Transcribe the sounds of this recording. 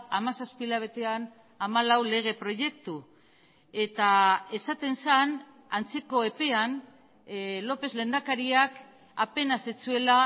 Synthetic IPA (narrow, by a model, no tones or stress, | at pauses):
amasaspilaβ̞e̞t̪e̞an | amalawle̞ɣ̞e̞pɾo̞ʝe̞kt̪u | e̞t̪ae̞sat̪e̞nsan | ant͡se̞ko̞epe̞an | lo̞pe̞zle̞nd̪akaɾiak | ape̞nasit͡sue̞la